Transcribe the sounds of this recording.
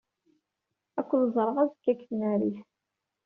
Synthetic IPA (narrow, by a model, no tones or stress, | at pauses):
ækʷːəlzˤɾˤəʁæzkːækːθnæɾiθ